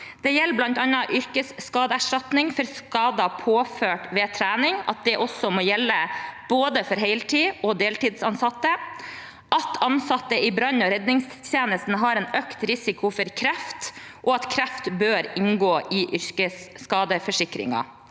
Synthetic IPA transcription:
d̪̥ɛjɛlːblɑnt̪ɑnɑʔʏɾkəsːkɑːd̪əæʂʈɑt̪nɪŋfɔɾskɑːd̪ɑpʰoːføːʈʋeːt̪ʰɾæːnɪŋɑ̰t̪̚d̪ɛʔɔsɔmoːjɛlːəb̥oːd̪əfɔɾɦeɪlt̪ʰiːɔd̪eːlt̪iːd̪sɑnsɑt̪ːə | ʔɑt̪ʰɑnsɑt̪ːəɪbɾɑnɔɾɛd̪nɪŋst̪ʰjeːnəst̪n̩ɦɑɾɛːnœkt̪ɾɪsɪkʊfɔɾkʰɾæft̪ʔɔɑt̪kʰɾæft̪bøːɾɪŋɡoːʔɪʔʏɾkəsːkɑːd̪əfɔʂɪkɾɪ̰ŋɑ̰

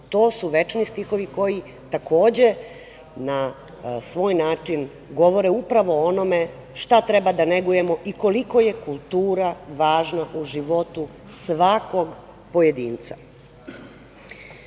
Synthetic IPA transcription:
t̪o̞ːsuʋe̞t͡ʃnist̪ixo̞ʋiko̞ji | t̪ako̞ːd͡ʑe | na | sʋoːjnaːt͡ʂin | ɡo̞ʋo̞ɾeupɾaʋo̞ono̞me | ʃt̪at̪ɾe̞bad̪aneɡuje̞mo̞ʔiko̞liko̞je̞kulˠt̪uːɾaʋaːʒnaʔuʒiʋo̞t̪u | sʋako̞ɡ | po̞jed̪iːnt̪sa

